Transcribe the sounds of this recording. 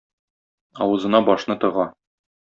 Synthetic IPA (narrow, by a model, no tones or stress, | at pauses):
ɒ̰wɤ̆zɤ̆nɑbɒʃnɤt̪ɤ̆ʁɑ